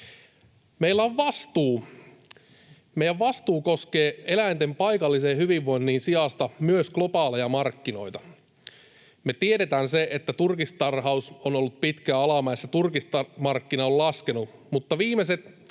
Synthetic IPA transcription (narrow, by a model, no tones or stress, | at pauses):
meilːæoʋʋɑst̪uː | mejæʋʋɑst̪uːko̞skeːelæint̪empɑjkɑlːiseːhyʋiʋːo̞jnːiːnsiɑst̪ɑmyøsklopɑːlejɑmɑrkːino̞jt̪ɑ | met̪ieɾet̪æːnseʔet̪ːæt̪urkist̪ɑrɦɑusonolːut̪̚pit̪kæɑlɑmɑesːæt̪urkist̪ɑmɑrkːinɑollɑskenumut̪ːɑʋiːmeset̪